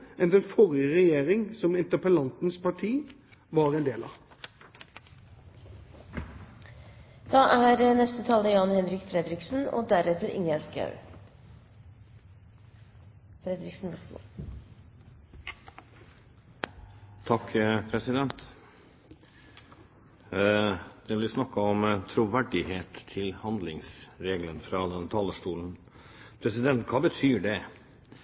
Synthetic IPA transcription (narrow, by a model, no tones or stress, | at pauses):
ɛnd̪ɛnfɔʁɪəʁɛjeːʁɪŋsɔmɪnt̪əpəlɑnt̪n̩spɑʈʰiː | ʋɑːʁɛnd̪eːlɑ | d̪̥ɑːʔæːɾənɛst̪ət̪ʰɑːləjɑnhɛnɾɪkfɾɛd̪ɾɪksn̩o̰ːd̪æɾɛt̪əɾʔɪ̰ŋjɛlt̪ɡɑ̰ʉ | fɾɛd̪ɾɪksn̩ʋɛst̪ː | t̪ʰɑkːpʰɾɛsɪd̪ɛnt̪ | d̪̥ɛʋɪlɪsnɑkːəɔmt̪ʰɾuʋæɖɪheːt̪ʰːɪlhɑnd̪lɪŋsɾeːɡlənfɾɑd̪ɛnt̪ʰɑːləʂt̪uːlən | pʰɾɛsɪd̪ɛnt̪kʰɑːbət̪ʰyːɖɛ